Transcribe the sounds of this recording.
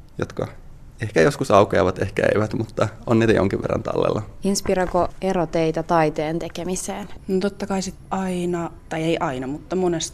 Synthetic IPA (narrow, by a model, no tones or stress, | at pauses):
jot̪kɑ | ehkæjoskusɑukeɑʋɑt̪ehkæeiʋæt̪mut̪ːɑonːiːt̪æjo̰ŋkiʋʋerːɑ̰nt̪ɑ̰lːḛlːʔɑinspirɑkoeɾot̪eit̪æt̪ɑit̪eːnt̪ekemiseːnnot̪ot̪ːɑkɑisit̪ɑinɑt̪ɑieiʔɑinɑmut̪ːɑmonest̪